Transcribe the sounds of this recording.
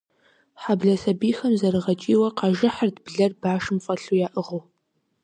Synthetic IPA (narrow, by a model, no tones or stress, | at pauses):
ħabɮɐsɐbiːxɐmzɐɾɨʁɐt͡ʃʼiːwɐqɑʒɐħərdbɮɐrbaːʃɨmfʼɐɬujaːʔɨʁoː